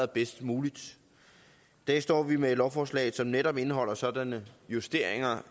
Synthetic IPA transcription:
b̥esd̥muːlid̥ | d̥æɐsd̥ɒ̰ːʋime̥lɒʊfɒːslɛ̰ːð̩ˠsɒ̽mneɾɒ̽b̥e̝nəɦɒ̽l̰ɐsɒ̽d̥ænəjusd̥e̝ɐ̰e̝ŋɐ

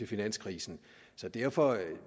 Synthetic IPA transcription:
e̝finæn̰skʰʁiːsn̩ | sɒ̽d̥æɐ̰fɒ̽

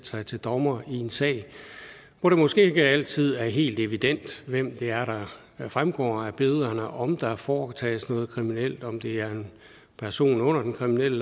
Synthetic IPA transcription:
sɑ̈ɪt͡sʰe̝ld̥ɒmɐie̝nsɛ̰ːɪ | ʋɒɾ̥e̝mɔ̽sɡ̥e̝̰ːɡəæl̰t͡sʰið̞̰ˠæɐɦe̝̰ːld̥e̝ʋid̥en̰d̥ʋem̰d̥e̝æɐɾ̥ɑ̈ | fʁamɡ̥ɒ̰ːæb̥e̝ðˠɐnəʔɒ̽md̥ɑ̈fɒːt͡sʰɛ̰ːsnɔ̽ːð̩ˠkʰʁiminel̰d̥ɒ̽md̥e̝æɐe̝n | pʰæɐso̝̰ːnɔ̽n̰ɐd̥enkʰʁiminel̰ə

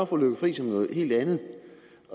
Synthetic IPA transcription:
fɒ̽ːløɡ̥ɐfʁḭːsɒ̽mnɔ̽ːð̩ˠhe̝̰ːld̥ænð̩

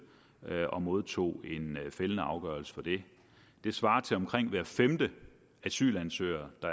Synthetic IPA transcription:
ɒ̽mo̝ð̞ˠt͡sʰo̝̰ːe̝nfelənəɑ̈ʊɡ̥ɶɐl̩sə̥fɒ̽d̥e̝ | d̥e̝sʋɑ̈ːt͡sʰe̝lɒ̽mkʰʁeŋ̰ʋæɐ̰femd̥ə | æsy̰ːlænsø̰ːɐd̥ɑ̈

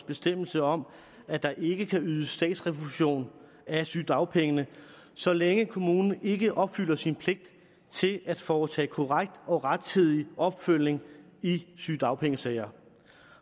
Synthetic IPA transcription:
sb̥e̝sd̥em̰l̩səɒ̽m | æd̥ɑ̈ʔe̝ɡ̥əkʰæyːð̞ˠəsd̥ɛ̰ːd̥sʁɛʋoluɕo̝̰ːn | æsyd̥ɑ̈ʊpʰeŋənə | sɒ̽leŋəkʰo̝muːnn̩e̝ɡ̥əʔɒ̽b̥fyl̰ɐsinpʰle̝ɡ̥̚d̥ | t͡sʰe̝læd̥fɒːt͡sʰɛ̰ːkʰo̝ʁaɡ̥̚d̥ɒ̽ʁad̥̚t͡sʰið̞̰ˠiʔɒ̽b̥føl̰ne̝ŋ | isyd̥ɑ̈ʊpʰeŋəsɛɪɐ

